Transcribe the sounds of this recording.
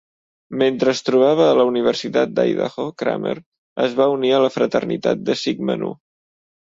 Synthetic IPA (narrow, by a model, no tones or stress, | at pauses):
ment̪ɾəst̪ɾuβ̞aβ̞əːləuniβ̞ərsit̪at̪̚d̪a̰jða̰xokɾa̰mə̰ɾ | əzβauniələfɾət̪ərnḭt̪a̰t̪̚d̪əsiɡmə̰nṵ